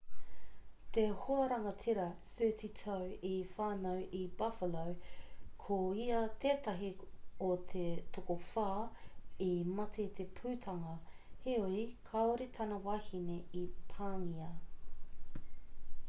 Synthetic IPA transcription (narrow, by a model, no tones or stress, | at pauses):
t̪ehoɐɾɐŋɐtʰiɾɐsʉːtitʰɐwifaːnɐwʔibɐfəlowkʰoiɐt̪ʰeːt̪ɐɦiot̪ʰet̪ʰokofaːimɐtʰet̪ʰepʰʉːtʰɐŋɐheoikʰɐoɾet̪ʰɐnɐwahineipʰaːŋiɐ